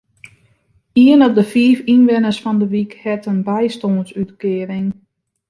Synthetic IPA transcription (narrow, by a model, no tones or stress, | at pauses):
iənɔp̚dəfiːfinʋɪnəsfɔndəʋikhɛtənbɛjstoːnsytkɪəɾɪŋ